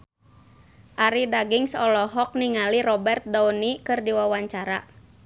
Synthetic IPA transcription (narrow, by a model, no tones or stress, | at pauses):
ʔaɾidaɡiŋsɔlɔɦɔk̚niŋaliɾɔbɛrt̪̚dɔunikɨrdiwawaɲt͡ʃaɾa̰